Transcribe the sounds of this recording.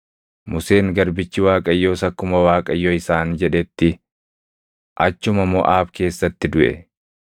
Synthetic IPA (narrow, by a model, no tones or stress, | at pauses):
mʊseːŋɡɐɾbɪt͡ʃːɪwaːkʼɐjːoːsɐkːʊmɐwaːkʼɐjːoːɪsaːnd͡ʒɛᶑɛt̪ːɪ | ʔɐt͡ʃːʊmɐmɔʔaːbke̞ːsːɐt̪ːɪd̪ʊʔɛ̰